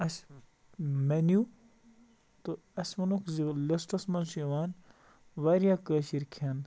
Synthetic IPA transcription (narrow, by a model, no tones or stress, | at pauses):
ɐs | mɐnju | t̪o | ɐsʲmɐnokzilɐsʈɐsmɐnsujɐʋaːn | ʋɐːɾjaːkəːʃiɾkʰɐn